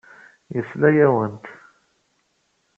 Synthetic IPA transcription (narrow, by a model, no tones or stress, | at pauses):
jəslæjæwənt̪